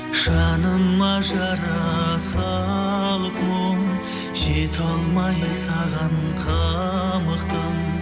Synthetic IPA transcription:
ʃɑnəmːɑʒɑɾɑsɑlˠəpmoŋ | ʒ̥et̪ʰɑlˠmɑjsɑʁɑnqʰɑ | məqt̪əm

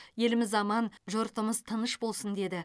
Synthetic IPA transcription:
je̞lɪmɪzɑmɑnʒoɾt̪əməzt̪ʰənəʃbo̞lˠsənd̪e̞d̪ɪ

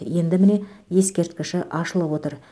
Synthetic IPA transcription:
je̞nd̪ɪmɪne̞je̞skʲe̞ɾt̪kʲɪʃɪʔɑʃəlˠəpwo̞t̪əɾ

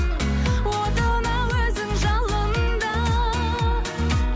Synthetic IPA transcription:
wod̪ənɑwɵzɪŋʒɑlˠənnd̪ɑ

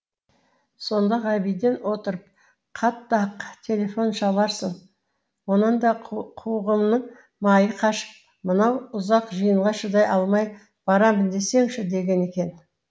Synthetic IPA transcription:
so̞nd̪ɑʁɑbijd̪e̞nwo̞t̪əɾəp̚ | qʰɑt̪ːɑqt̪ʲʰe̞lʲe̞fo̞nʃɑlˠɑɾsəɴ | wo̞nənd̪ɑqʰuʁəmnəɴ | mɑjəqʰɑʃə̥p̚ | mənɑwʊzɑqʒəjəɴˠʁɑʃəd̪ɑjʔɑlˠmɑj | b̥ɑɾɑmənd̪e̞se̞ŋʃɪd̪e̞ɡʲe̞ne̞kʲe̞n

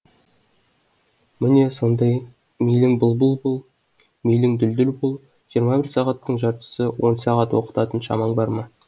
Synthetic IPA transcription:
mɪne̞so̞nd̪ɑj | mijlɪŋbʊlˠbəlˠbolˠ | mijlɪŋd̪ʏld̪ʏlbolˠ | ʒ̥ijəɾmɑbɪɾsɑʁɑt̪ːəɴʒɑɾt̪ə̥səwo̞nsɑʁɑt̪woqə̥t̪ɑt̪ənʃɑ̰mɑɴbɑɾmɑ

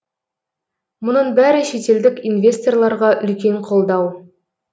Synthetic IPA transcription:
mʊnəɴbæɾɪʃet̪e̞ld̪ɪkʲinvʲe̞st̪o̞rlˠɑɾʁɑʔʏlkʲe̞ɴqʰo̞lˠd̪ɑw

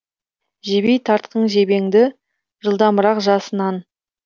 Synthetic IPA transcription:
ʒe̞bejt̪ʰɑɾt̪̚qəɴʒe̞be̞ŋd̪ɪ | ʒəlˠd̪ɑməɾɑqʒɑsənɑn

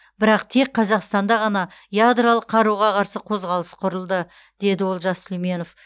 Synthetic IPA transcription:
bɪɾɑqt̪ʰe̞k̚qʰɑzɑqst̪ɑnd̪ɑʁɑnɑ | jad̪ralˠəqːʰɑɾuʁɑqʰɑɾsəqʰo̞zʁɑlˠəsqʰʊɾəlˠd̪ə | d̪̥e̞d̪ɪwo̞lˠʒɑslime̞nof

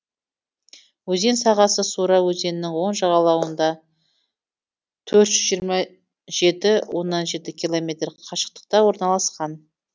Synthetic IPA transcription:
wɵze̞nsɑʁɑsəsuɾɑwɵze̞nɪnɪŋwo̞nʒɑʁɑlˠɑwənd̪ɑ | t̪ʰɵɾt̪ʒ̥ʏzʒijəɾmɑ | ʒe̞t̪ɪwʔo̞nːɑnʒe̞t̪ɪkʲʰilˠo̞mʲe̞t̪rqʰɑʃə̥q̚t̪ə̥q̚t̪ɑwo̞ɾnɑlˠɑsqɑn

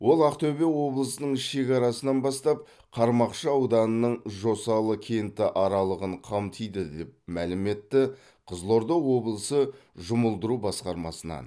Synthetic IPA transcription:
wo̞lˠɑqt̪ɵbe̞wo̞blˠəsənəɴɪʃe̞kʲɑɾɑsənɑnbɑst̪ɑp̚ | qʰɑɾmɑqʃəɑwd̪ɑnənəɴʒo̞sɑlˠəkʲʰe̞jɪnt̪ɪʔɑɾɑlˠəʁəɴqʰɑmt̪ʰijd̪ɪd̪e̞p̚mælɪme̞t̪ːɪ | qʰəzlˠo̞ɾd̪owo̞blˠəsəʒʊməlˠd̪əɾubɑsqɑɾmɑsənɑ̰n

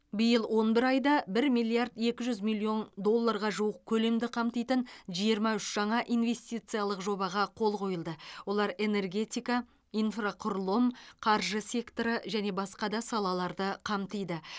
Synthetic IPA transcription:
bɪjəlˠwo̞nbɪɾɑjd̪ɑbɪɾmijlˠijaɾd̪e̞kʲɪʒʏzmilˠːio̞nd̪o̞lˠːaɾʁɑʒuəq̚kʲʰɵle̞md̪ɪqʰɑmt̪ijt̪ənʒijəɾmɑʏʃʒ̥ɑɴɑʔinve̞st̪ijt̪sɨjalˠəqʒo̞bɑʁɑqʰo̞lˠqʰo̞jəlˠd̪əwo̞lˠɑɾe̞ne̞rɡʲe̞t̪ijkɑ | ijnfraqʰʊɾlˠəmqʰɑɾʒəsʲe̞kt̪oɾəʒæne̞bɑsqɑd̪ɑsɑlˠɑlˠɑɾd̪əqʰɑmt̪əjd̪ə

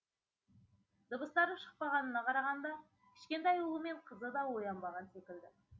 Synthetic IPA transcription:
d̪̥əbəst̪ɑɾd̪əɴʃə̥q̚pɑʁɑnənɑqʰɑɾɑʁɑnd̪ɑ | kʲʰɪ̥ʃkʲe̞nt̪ɑjulˠəme̞ɴqʰəzəd̪ɑwo̞jɑnbɑʁɑnsekʲɪld̪ɪ

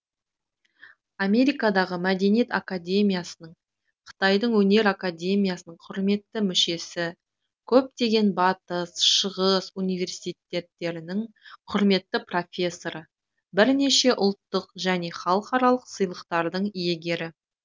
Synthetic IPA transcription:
amʲe̞ɾijkad̪ɑʁəmæd̪e̞nijet̪a̰kad̪ʲe̞mʲijasənəɴ | qʰə̥t̪ɑjd̪əɴwɵne̞ɾakad̪ʲe̞mʲijasənəɴqʰʊɾme̞t̪ːɪmʏʃe̞sɪ | kʲʰɵp̚t̪e̞ɡʲe̞nbɑt̪əsʃəʁəsunijvʲe̞rsi̥t̪et̪ːe̞t̪ːe̞ɾɪnɪɴ | qʰʊɾme̞t̪ːɪpro̞fʲe̞sːo̞ɾə | bɪɾneʃe̞ʔʊlˠt̪ːəqʒæne̞χɑlˠqɑɾɑlˠəqsəjlˠəqt̪ɑɾd̪əɴije̞ɡʲe̞ɾɪ

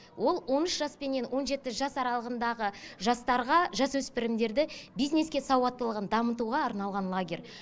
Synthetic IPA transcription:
wʔo̞lˠwo̞nʏʃʒɑspe̞nːe̞nwo̞nʒe̞t̪ɪʒɑsɑɾɑlˠəʁənd̪ɑʁəʒɑst̪ɑɾʁɑʒɑswɵspɪɾɪmd̪e̞ɾd̪ɪbijzne̞skʲe̞sɑwɑt̪ːəlˠəʁənd̪ɑmət̪uʁɑːɾnɑlˠʁɑnlˠaɡʲe̞ɾ

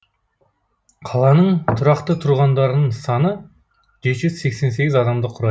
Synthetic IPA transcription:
qʰɑlˠɑnəɴt̪ʰʊɾɑqt̪ət̪ʰʊɾʁɑnd̪ɑɾənəɴsɑnə | ʒe̞t̪ʒʏzse̞kse̞ns̬e̞ɡʲɪzɑd̪ɑmd̪əqʰʊɾɑ

